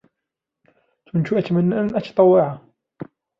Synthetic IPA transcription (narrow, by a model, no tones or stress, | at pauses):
t̪ʊnt̪uʔat̪amanːaʔanʔat̪ɑ̥t̪ˤɑwːɪʕa